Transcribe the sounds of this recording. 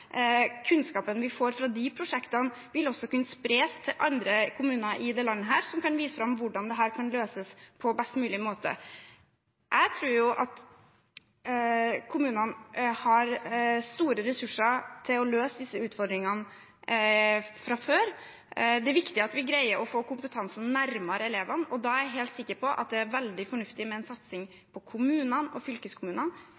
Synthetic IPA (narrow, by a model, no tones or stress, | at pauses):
kʰʉnskɑːpənʋɪfoːɾfɾɑd̪ɪpʰɾʊʂɛkt̪ən | ʋɪlɔsːɔkʉnːəspɾeːst̪ʰɪlʔɑ̰nd̪ɾəkʰʊmʉːnəɾʔɪd̪eːlɑnːəɦæːɾsɔmkɑnʋiːsəfɾɑmʋʊɖɑnd̪ɛɦæːɾkʰɑnløːsəspʰɔbɛst̪mʉːlɪmoːt̪ə̰ | jʔæɪt̪ʰɾuːɾjʊʔɑt̪ | kʰʊmʉːnənhɑɾst̪uːɾəɾɛsʉʂəɾt̪ʰɪlɔløːsd̪ɪsːəʉːt̪fɔɾɖ̪ɾɪŋən | fɾɑføːɾ | d̪ɛæɾʋɪkt̪ɪɑt̪ʋɪɡɾæɪəɾɔfoːkʊmpət̪ʰɑnsn̩næɾmɑɾɛleːʋənɔd̪ɑæɾjæɪɦeːlt̪sɪkːəɾpʰɔʔɑ̰t̪̚d̪ɛæɾʋɛld̪ɪfɔɳʉft̪ɪmɛɛnsɑt̪sɪŋ | pʰɔkʰʊmʉːnənɔfʏlkəskʰʊmʉːnən